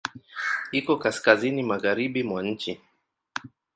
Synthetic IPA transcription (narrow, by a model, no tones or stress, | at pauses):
ikɔkaskazinimaɣaɾiɓimwaɲ̩t͡ʃi